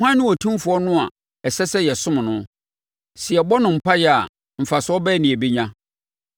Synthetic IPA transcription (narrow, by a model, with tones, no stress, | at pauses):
hʷã˦nʊ̃˦wɔ˨tʰĩ˦m˦fʊ˨ɔ˦nʊ̃˦a˨ | ɛ˨sɛ˦sɛ˦jɛ˨sʊ̃˦m̃˨nʊ̃˦ | sɪ˨ɛ˨bɔ˦nʊ̃˨m̩˨pa˦jɛ˨a̰˨ | m̩˨fa˨sɔ˦bɛ˦nĩ˨æ˨bi˦ɲã˦